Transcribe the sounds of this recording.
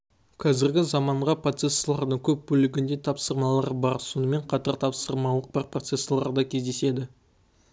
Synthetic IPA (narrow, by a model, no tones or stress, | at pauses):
qʰɑzɪɾɡʲɪzɑmɑɴʁɑpro̞t̪se̞sːlˠɑɾd̪əɴkʲʰɵp̚bɵlɪɡʲɪnd̪e̞t̪ʰɑpsəɾmɑlˠɑɾəbɑɾso̞nəme̞ɴqʰɑt̪ɑɾt̪ʰɑpsəɾmɑlˠəq̚bɑɾpʰro̞t̪se̞sːlˠɑɾd̪ɑkʲʰe̞zd̪e̞se̞d̪ɪ